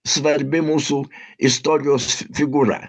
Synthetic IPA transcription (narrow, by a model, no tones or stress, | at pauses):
svaɾbemusuist̪ɔɾjosfiɡuɾa̰